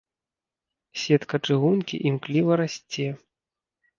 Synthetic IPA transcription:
sʲɛt̪kɐt͡ʂɨɣunkʲḭʔimklʲivɐɾasʲt͡sʲɛ

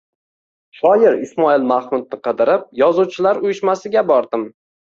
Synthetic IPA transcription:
ʃɒjɪɾɪsmɒilˠmaχmʊd̪̚nɪqʰɨd̪ɪɾɪp̚jɒzuwt͡ʃʰɪlaɾʊjɪʃmasɪɡʲabɒɾd̪ɪm

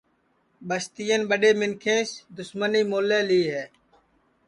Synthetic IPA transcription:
ɓəst̪ɪjənɓəɖeːmɪnkʰẽːsd̪ʊsməniːmoːleːliːɦɛː

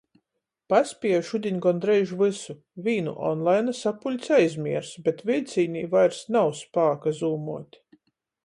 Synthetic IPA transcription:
paspʲiɛʃud̪ʲiɲʲɡɔnd̪ɾɛjʒuvɨsu | vʲiːnṵʔɔ̰nlˠajnasapulʲt̪sʲajzʲmʲiɛɾsbʲɛt̪vʲilʲt̪sʲiːnʲiːvajɾsnawspaːkazuːmuɔt̪ʲ

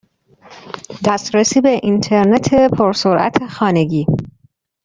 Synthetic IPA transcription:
d̪æst̪ɾesiːbeʔint̪ʰeɾnet̪ʰepʰoɾsoɾʔæ̰t̪ʰexɒːne̞ɟiː

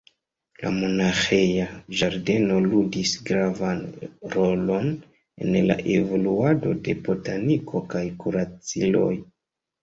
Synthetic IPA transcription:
la̰mo̞naxe̞jaʒaɾde̞no̞ludisɡɾavanɾo̞lo̞n | e̞̰nla̰ʔe̞vo̞luado̞de̞bo̞tanikʰo̞kajkuɾat͡silo̞̰j

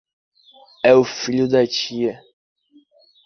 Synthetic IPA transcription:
ɛufilud̪at͡ʃiɛ

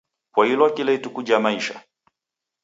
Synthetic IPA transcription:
kwahilɔakilaitukuʄamaiʃa̰

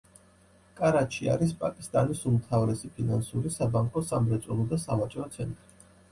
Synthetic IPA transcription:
kʼaɾaʃʰia̰ɾis̬pʼakʼist̪ʼanisumt̪ʰavɾɛsipʰinansuɾisabaŋkʼɔsamɾɛt̪sʼulˠɔd̪asamat͡ʃʼɾɔt̪sʰɛnt̪ʼɾi

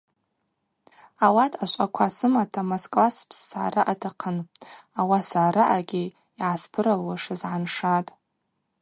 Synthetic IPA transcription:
awatʰaʃʷʼakʷʰasɨmatʰamoskʼlaspʰsːaːɾaʔatʰaqʰənawasaːɾaʔaɡʲɪ | iʕaspʰɨɾalwaʂɨzʕanʂatʼ

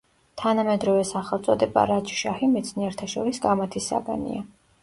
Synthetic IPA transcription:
t̪ʰanamɛd̪ɾɔvɛsaχɛlˠt̪sʼɔd̪ɛba̰ɾat͡ʃʰʃahimɛt̪sʰniɛɾt̪ʰaʃɔɾisɡamat̪ʰisːa̰ɡa̰nḭa

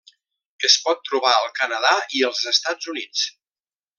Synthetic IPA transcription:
əspɔt̪ːɾuβaəlˠkənəðaiəlˠzəst̪ad͡zunit͡s

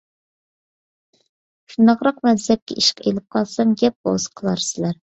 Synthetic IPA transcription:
ʃund̪ɑqɾɑqmɛnzɛp̚kʲʰɛiʃqḛlɪp̚qʰɑlˠsɑŋɡʲɛp̚bo̰z̥qʰəlˠɑɾsɪlæɾ

